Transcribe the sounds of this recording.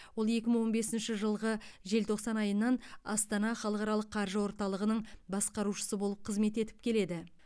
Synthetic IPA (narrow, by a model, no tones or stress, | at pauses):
wo̞lˠe̞kʲɪməɴwo̞nbe̞sɪnʃɪʒəlˠʁəʒe̞lt̪ʰo̞qsɑnɑjənːɑnɑ̰st̪ɑnɑχɑlˠəqɑɾɑlˠəqʰːɑɾʒəwo̞ɾt̪ɑlˠəʁənəɴbɑsqɑɾuʃə̥səbo̞lˠəp̚qʰəzme̞t̪e̞t̪ɪ̥p̚kʲʰe̞le̞d̪ɪ